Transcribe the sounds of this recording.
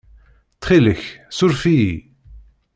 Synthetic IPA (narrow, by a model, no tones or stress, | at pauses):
t̪χiləçsʊɾfiji